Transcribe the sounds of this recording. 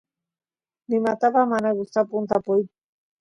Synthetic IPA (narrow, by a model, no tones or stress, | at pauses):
nɪmat̪apamanaɡʊst̪apʊnt̪apʊj